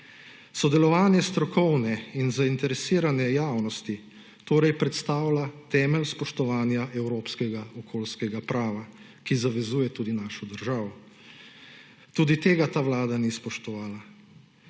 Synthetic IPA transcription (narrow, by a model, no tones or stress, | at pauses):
sɔd̪ɛlɔʋaːnjɛst̪ɾɔkɔwnɛinzaint̪ɛɾɛsiːɾanɛjaːwnɔst̪i | t̪oːɾɛjpɾɛt̪st̪aːwlat̪ɛːmɛlspɔʃt̪ɔʋaːnjaʔɛwɾoːpskɛɡaɔkʰoːlskɛɡapɾaːʋa | kizaʋɛzuːjɛt̪uːd̪inaːʃɔd̪əɾʒaːʋɔ | t̪uːd̪it̪eːɡat̪aːʋlaːd̪anispɔʃt̪ɔʋaːla